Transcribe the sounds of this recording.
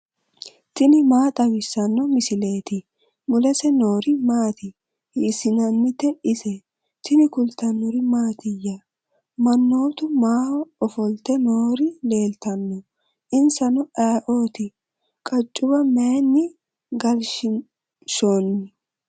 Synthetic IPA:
t̪ɪnɪmaːt̪ʼɐwɪsɐnːɔmɪsɪle̞ːt̪ɪ | mʊlɛsɛno̞ːɾɪmaːt̪ɪ | hiːsɪnɐnːɪt̪ɛʔɪsɛ | t̪ɪnɪkʊlt̪ɐnːʊɾɪmaːt̪ɪjːɐ | mɐnːo̞ːt̪ʊmaːhɔɔfɔlt̪ɛnoːɾɪle̞ːlt̪ɐnːɔ | ʔɪnsɐnɔʔaːʔoːt̪ɪ | kʼɐt͡ʃʼːʊbɐmeːnːɪ | ɡɐlʃɪ | ʃoːnːɪ

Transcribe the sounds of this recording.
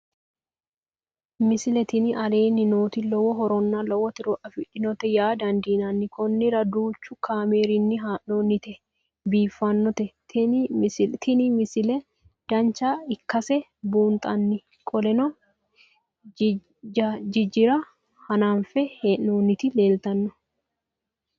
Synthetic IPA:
mɪsɪlɛt̪ɪnɪʔɐleːnːɪnoːt̪ɪlɔwɔɦɔɾɔnːalɔwɔt̪ɪɾɔʔɐfɪᶑɪnɔt̪ɛjaːd̪ɐnd̪iːnɐnːɪkɔnːɪɾɐd̪uːt͡ʃːʊkʰaːmeːɾɪnːɪɦaʔoːnːɪt̪ɛ | biːfːɐnːɔt̪ɛt̪ | t̪ʰɪnɪmɪsɪlɛ | d̪̥ɐnt͡ʃːaːɪkːɐsɛbuːnt̪ʼɐnːɪ | kʼɔlɛnɔ | d͡ʒɪd͡ʒɪɾɐ | hɐnaːnfɛheʔoːnːɪt̪ɪle̞ːlt̪ɐnːɔ

